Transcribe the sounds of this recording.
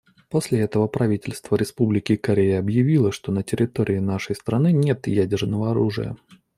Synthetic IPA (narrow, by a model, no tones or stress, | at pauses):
posʲlʲɪɛt̪əvəpɾɐvʲitʲɪlʲst̪vəɾʲɪspublʲɪkʲɪkɐɾʲejəɐbjɪvʲilˠəʂt̪o̞nətʲɪɾʲɪt̪oɾʲɪɪnaʂəjst̪ɾɐnɨnʲe̞t̪jædʲɪrnəvəɐɾuʐɨ̰jə̰